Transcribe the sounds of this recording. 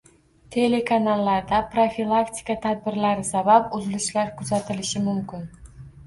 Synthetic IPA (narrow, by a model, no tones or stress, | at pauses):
t̪ʰe̞le̞kʰanalːaɾd̪apɾofilˠakt̪ʰʲi̥kat̪ʰad̪̚bɪɾlaɾɪsabapʊzɪlɪʃlaɾkʰʊzat̪ʰɪlɪʃɪmʊmkʲɪn